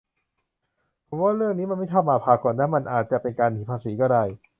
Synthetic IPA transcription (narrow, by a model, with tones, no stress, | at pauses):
pʰo˨˦waː˥˩ɾɯ˥˩əŋniː˦˥ma˧nma˥˩jt̪ʰa˥˩maː˧˩pʰaː˨˩kɔː˨˩nːa˦˥ma˧nʔaː˨˩t̪̚t͡ɕa˨˩pe˧nkaː˧nt̪ʰiː˨˩pʰaː˧siː˩˦kɔː˥˩da˧˩j